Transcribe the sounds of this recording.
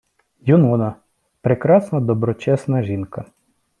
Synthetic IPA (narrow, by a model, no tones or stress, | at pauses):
jʊnɔnɐ | pɾekɾɑsnɐd̪ɔbɾɔt͡ʃɛsnɐʒinkɐ